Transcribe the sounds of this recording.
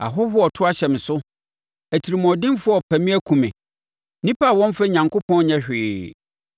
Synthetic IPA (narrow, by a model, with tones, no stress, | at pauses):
a̰˨ɦʊ˦ɦʊ˦ɔ˨tʰʊ˦a˦ɕɛ˨mɪ̃˨sʊ˦ | æ˨tʰi˨ɾi˨m̃˨ɔ˨dɪ̃˦n˦fʊ˦ɔ˨pʰæ˨mĩ˦æ˦kʰũ˨mɪ̰̃˨ | nĩ˦pʰa˦˨wɔ̃˦m˦fɛ˦ɲã˨ŋkʰʊ˦pʰɔ̃˦n˦ɲɛ̃˦ɕᶣɪː˨